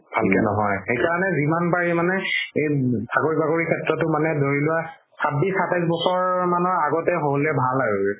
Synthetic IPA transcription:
b̥ʱalkɛnɔɦɔjxejkaɹɔnɛzimanbaɹimanɛejtʰakoɹibakoɹikʰɛtɹɔtʊmanɛdoɹilʊwa | sat̚bisatajsbɔsɔɹmanɔɹaɡɔtɛɦolɛbʱalaɹu

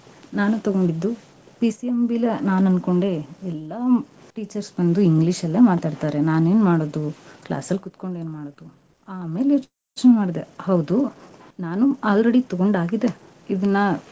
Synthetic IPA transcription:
naːnut̪ɐɡo̞ɳɖid̪ːu | pisiembilɐnaːnɐnko̞ɳɖeɛlːa | ʈiːt͡ʃɐɾsbɐnd̪uiŋɡliʂɐlːemaːt̪aːɖt̪aːɾe̞naːne̞ːnmaːɽoːd̪ukla̰ːsɐlːkut̪ko̞ɳɖe̞ːnmaːɽoːd̪u | aːme̞ːljoːt͡ʃ | oːt͡ʃnemaːɽid̪ehɐwd̪unaːnuaːlɾeɽit̪ɐɡo̞ɳɖaːɡid̪e̞ | id̪ɐnːɐ

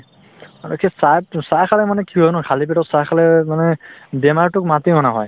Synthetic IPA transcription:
aɹukʰɛsajpsajkʰalɛmanɛkiɦɔjnɔkʰalipɛtɔtsajkʰalɛmanɛdɛmaɹtʊk̚matimɔnaɦɔ̰j

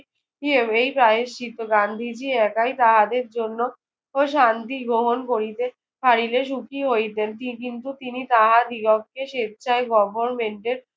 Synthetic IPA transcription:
iebejpɾaɦeʃit̪oɡand̪ʱid͡ʑiɛkajt̪aɦad̪eɾd͡ʑonːo | oʃant̪iɡɾoɦonkoɾit̪e | fʰaɾileʃ̬ukʰiɦojt̪ent̪ikint̪ut̪init̪aɦad̪iɡɔk̚keʃet̪̚t͡ɕʰaeɡɔbʱoɾmeɳʈeɾ

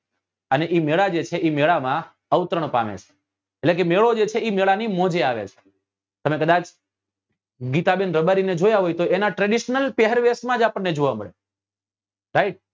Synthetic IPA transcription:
əneʔimeɭad͡ʒet͡ʃʰeʔimeɭamã | əʋt̪ɾəɳ̃pa̰ʋḛt͡ʃʰe̥ | eʈlek̬emeɭod͡ʒet͡ʃʰeimeɭanimɔ̃d͡ʒeaʋḛt͡ʃʰe̥ | t̪əmekəd̪at͡ʃ | ɡit̪abenɾəbaɾined͡ʒojaɦojt̪oʔenaʈɾɛɖiʃnəlpeɦəɾʋesmãd͡ʒapəɳːed͡ʒoʋamə̰ɭḛ | ɾaiʈ̚

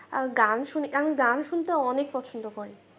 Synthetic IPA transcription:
ɡanʃunikaoɡanʃunt̪aɔnek̚pɔt͡ɕʰond̪okɔɾe

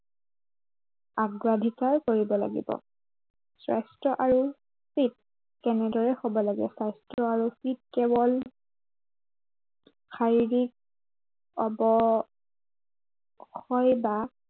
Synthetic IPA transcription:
aɡɹadʱikaɹkoɹibɔla̰ɡḭbɔ̰ | sɹa̰jstɹɔʔaɹu | fit̚ | kɛnɛdɔɹɛxɔbɔlaɡɛ̰sajstɹɔaɹufit̚kɛbɔl | xaɹiɹik̚ | ɔbɔ | xɔjba

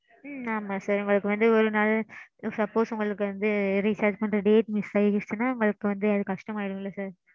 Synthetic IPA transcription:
aːmaːsaːɾɛŋɡɐɭɯkːɯʋɐnd̪ɯɔɾɯnaːlsɐpːoːsʊŋɡɐɭɯkːɯʋɐnd̪ɯɾisɐɾt͡ʃpɐɳːɾɐɖeːʈmɪsɐɪɪsnaːʊŋɡɐɭɯkːɯʋɐnd̪ɯɐðɯkɐʂʈɐmaːjɪɽɯ̃ŋɪlːɐsaːɾ

